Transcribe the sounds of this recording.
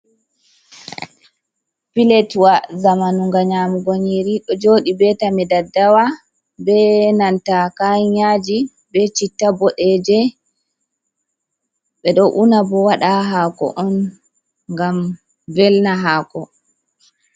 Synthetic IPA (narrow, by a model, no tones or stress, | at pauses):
pilɛtwazamanuŋɡaɲamuɡoɲiɾiɗɔd͡ʒoːɗibɛtamidadːawa | bɛnantakaɲad͡ʒi | bɛt͡ʃitːabɔɗɛd͡ʒɛ | ɓɛɗɔʔunabɔwaɗaɦaːkɔ̰ʔɔn | ŋɡam | vɛlnaɦaːkɔ